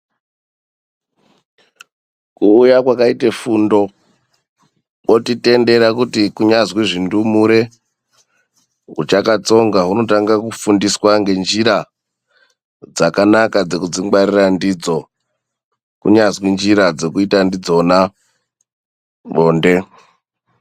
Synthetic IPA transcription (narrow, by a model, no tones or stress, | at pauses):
kuːjakwakaitefundo̞ | ɓo̞tite̞nde̞ɾakutikuɲazwiʐindumuɾe̞ | ɦut͡ʃakat͡so̞ŋɡaɦuno̞taŋɡakufundiswaŋɡe̞nd͡ʒiɾa | d͡zakanakad͡ze̞kud͡ziŋɡwarirandid͡zo̞ | kṵɲazwind͡ʒiɾad͡ze̞kuitandid͡zo̞na | ɓoːnde̞